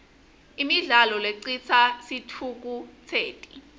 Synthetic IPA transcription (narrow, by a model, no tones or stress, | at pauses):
imiɮalɔleǀit͡sʰasitʰuk̬ut͡sʰeːtʼi̥